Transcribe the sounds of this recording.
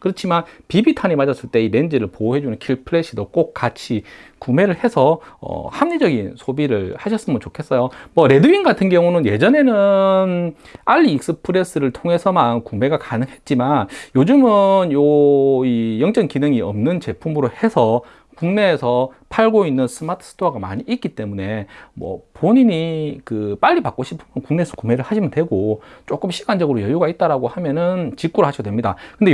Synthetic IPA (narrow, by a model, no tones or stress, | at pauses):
kɯɾʌt͡ɕʰimanpibitʰanimad͡ʑʌs͈ɯɭt͈e̞iɾe̞nd͡ʑiɾɯɭpouɦe̞d͡ʑunɯnkʰiɭpʰɯɾeɕ͈ʰidok͈ok̚k͈ːat͡ɕʰikume̞ɾɯɭhe̞sʰʌʌ̰hamɲed͡ʑʌɡinsʰobiɾɯɭhaɕʰʌs͈ɯmɯnt͡ɕokʰe̞s͈ʌjomʌɾe̞dɯinɡatʰɯnɡjʌŋunɯnje̞d͡ʑʌne̞nɯn | aʎːiːk̚s͈ɯpʰɯɾe̞s͈ɯɾɯɭtʰoŋɦe̞sʰʌmankume̞ɡakanɯŋɦe̞t̚t͡ɕ͈imanjod͡ʑɯmɯnjoijʌŋt͡ɕ͈ʌŋkinɯŋiʌmnɯnt͡ɕe̞pʰumɯɾohe̞sʰʌ | kuŋne̞ːsʰʌ | pʰaɭɡoinːɯns͈ʰɯmatʰɯ̥s͈ʰɯ̥tʰoaɡama̰ɲiʔit̚k͈it͈e̞mune̞mwʌ̰poɲiɲikɯp͈aʎːipak͈̚oɕʰipʰɯmjʌnkuŋne̞ːsʰʌ̥kume̞ɾɯɭhaɕʰimjʌntwe̞ɡot͡ɕ͈ok͈ɯmɕʰi̥ɡand͡ʑʌɡɯɾojʌjuɡait̚t͈aɾaɡohamjʌnɯnt͡ɕik͈uɾoɭhaɕʰʌdwe̞mɲida̰kɯnde